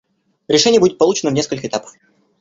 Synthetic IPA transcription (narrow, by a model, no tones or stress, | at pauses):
ɾʲɪʂɛnʲɪjəbudʲɪt̪pɐlˠut͡ɕɪnəmnʲeskəlʲkəɪt̪apə̥f